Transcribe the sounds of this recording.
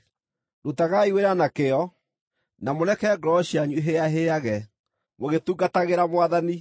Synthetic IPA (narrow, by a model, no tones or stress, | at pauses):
dutaɣaiweɾanakeɔ | namonɛkɛɡɾɔɕiaɲuɦeaɦeaɣɛ | moɣetuɡataɣeɾamwaðani